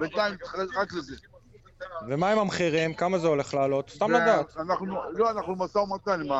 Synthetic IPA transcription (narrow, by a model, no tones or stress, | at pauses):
bent̪aimt̪ʁakleze | vemaemamχiʁimkamazeo̞le̞χlaːlo̞t̪st̪amlad̪at̪anaχnuloanaχnumasaumat̪anima